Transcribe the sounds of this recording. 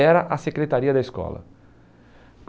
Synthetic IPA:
ɛɾɐʔɐsekɾet̪aɾiɐd̪ɐiskɔ̰lɐ̰ | p

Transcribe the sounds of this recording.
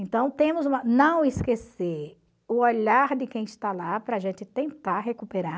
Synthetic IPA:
ẽnt̪ɐ̃w̃t̪ẽmʊzũmɐnɐ̃w̃ɪskeseɾ | ʊoʎaɾd̪ɪkẽj̃ɪst̪alapɾɐːʒẽt̪ɪt̪ẽnt̪aɾɦekupeɾa

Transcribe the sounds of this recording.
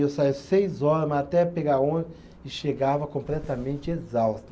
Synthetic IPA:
esaisejzɔɾɐmɐat̪ɛpeɡaõ | ɪʃeɡavɐkõplɛt̪ɐmẽnt͡ʃɪezawst̪ɐ

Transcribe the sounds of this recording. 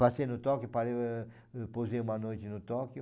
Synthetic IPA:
pasenʊt̪ɔkjʊpaɾe | pozeumɐnojt͡ʃ̪ɪnʊt̪ɔkjʊ

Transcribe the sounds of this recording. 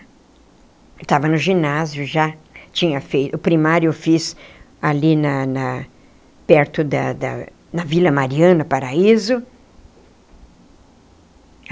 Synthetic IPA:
t̪avɐnʊʒinazjʊʒat͡ʃĩɲɐfejt̪ʊːpɾimaɾjʊewfis | alinɐnɐ | pɛɾt̪ʊd̪ɐd̪ɐ̰ | nɐvilɐmaɾiɐ̃nɐpaɾaizʊ

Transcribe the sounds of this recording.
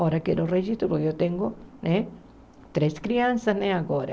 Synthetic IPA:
oɾakeɾoreʒist̪ɾolojot̪eŋɡonẽ | t̪ɾeskɾiansasnẽaɣoɾa̰

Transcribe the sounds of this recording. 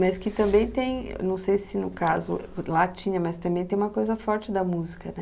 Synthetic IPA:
mɐskɪt̪ɐ̃mbẽj̃t̪ẽj̰̃nɐ̃w̃sejsɪnʊkazʊ̰lat͡ʃĩɲɐmɐst̪ɐ̃mbẽj̃t̪ẽj̃ũmɐkojzɐfɔɾt͡ʃɪd̪ɐmuzikɐnɛ

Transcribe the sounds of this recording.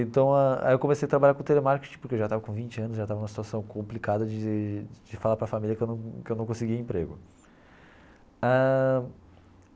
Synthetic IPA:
ẽnt̪ɐ̃w̃aa̰jewkõmesejɐt̪ɾabaʎaɾkõt̪elemaɾke̥t͡ʃĩpoɾkewʒat̪avɐkõvĩt͡ʃɪɐ̃nʊzʒat̪avɐnũɐsit̪uasɐ̃w̃kõmplikad̪ɐd͡ʒɪd͡ʒɪfalaɾpɾɐfamiljɐkewnɐ̃w̃kɪewnɐ̃w̃kõsɪɡiɐẽpɾḛɡʊ | a

